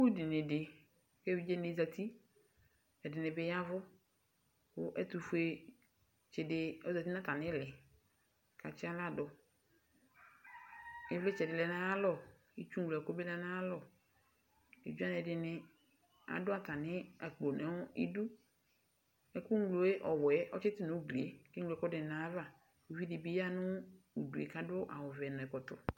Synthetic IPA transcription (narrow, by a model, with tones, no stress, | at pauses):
wu˦di˨nẽ˨ɖe˨ | ke˦wi˦d͡ʒe˦nẽ˨˦za˨t̪i˦ | ɛ˨dɪ˨nẽ˨be˦ja˦vʊ˦ | wo˦ʔe˦t̪u˨fu˦e˨ | t͡ʃɛ˨de˨o˦za˨t̪i˦nã˦t̪a˨nɪ̃˦lɛ˨ | ka̰˨t͡ʃi˦a˦la˦dɔ˨ | e˦ve˦t͡ʃɛ˨dɪ˨lɛ˨nã˦ja˦lɔ˦˨ | i˦t͡ʃu˦ŋ̩˦˨lo˨ɛ˨ko˦be˦lɛ˦nã˦a˦lɔ˦˨ | ḛ˨d͡ʒu˦a˦nɛ˨dɪ˨nɪ˨ | a̰˨dʊ˦a˨t̪a˨nɪ˦a˨k͡po˨nɛ˨˦ḭ˦du˦ | ɛ˨ku˦ŋ˦ɡlo˨e˦ʔɔ˨wɛ˦ɔ̰˦t͡ʃɪ˦t̪ɪ˦nʊ̃˨˦ɡle˨˦ke˦ŋ˦lo˨ɛ˦kɔ˦dɛ˨nã˨˦va˦˨ | u˨vi˦dɪ˨bi˦ja˦nʊ̃˦ | u˨du˨ḛ˨ka˦dʊ˦ʔa̰˨wɔ˨vɛ˨nʊ̃˨ɛ˨kɔ˨t̪ʊ̰˨